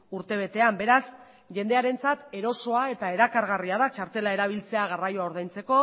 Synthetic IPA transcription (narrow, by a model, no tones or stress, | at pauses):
uɾt̪e̞β̞e̞t̪e̞ambe̞ɾas | ʝe̞nd̪e̞aɾe̞nt͡sat̪e̞ɾo̞so̞ae̞t̪ae̞ɾakaɾɣariaðat͡ʃaɾt̪e̞lae̞ɾaβ̞ilt͡se̞aɣ̞arajoaoɾðajnt͡se̞ko̞